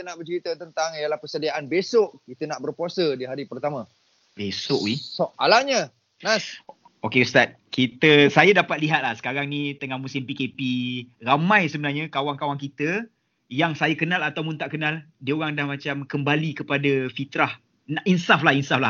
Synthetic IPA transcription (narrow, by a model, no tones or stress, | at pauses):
kit̪ənaʔbərt͡ʃəɾit̪ət̪ənt̪aŋjalahpərsədiaʔanbesʊʔkit̪ənaʔbərpuasədiɦaɾipərt̪amã | besʊʔwisoa̰laɲə | nas | okeust̪at̪̚kit̪əsajadapat̪̚liɦat̪̚lahsə̥kaɾaŋnĩt̪əŋahmũsɪmpikepiramãjsəbənarɲakawaŋkawaŋkit̪ə | jaŋsajakənalat̪awmunt̪aʔkənaldiəoɾaŋdahmãt͡ʃamkəmbalikəpadafit̪ɾah | naʔinsaflahinsafla